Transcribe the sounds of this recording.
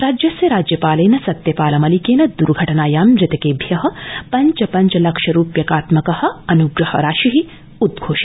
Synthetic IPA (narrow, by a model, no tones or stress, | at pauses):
ɾaːd͡ʒjɐsjɐɾaːd͡ʒjɐpaːlɐːnɐsɐt̪jɐpaːlɐmɐlikeːnɐd̪uɾɡʱɐʈɐnaːjaːmɾɐt̪ɐkeːbʱjɐɦɐ̆pɐɲt͡ʃɐpɐɲt͡ʃɐlɐkʃɐɾuːpjɐkaːt̪mɐkɐhɐ̆ɐnuɡɾɐhɐ̰ɾaːʃiɦi | ud̪̚ɡʱoːʃi